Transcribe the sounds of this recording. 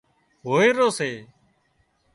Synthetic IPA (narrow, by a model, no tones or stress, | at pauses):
ɦoːeːɾoːseː